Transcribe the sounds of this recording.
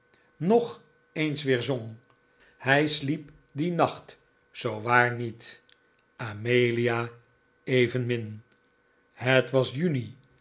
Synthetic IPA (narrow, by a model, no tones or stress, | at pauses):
nɔχ | ejnsʋɪːɹzoŋ | hɛjslip | dinɑχt | sowʋaːɹnit | amejlijaː | ejvənmɪn | hətʋɑsjyni